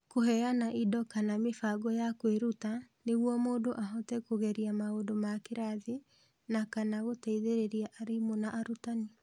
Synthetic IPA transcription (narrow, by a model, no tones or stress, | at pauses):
koɦɛanaʔidɔkanamefaɡɔjakweɾutaneɣwɔmoːdoʔaɦɔtɛkoɣɛɾiamaodomakeɾaði | nakanaɣotaiðeɾeɾiaʔaɾemonaʔaɾutani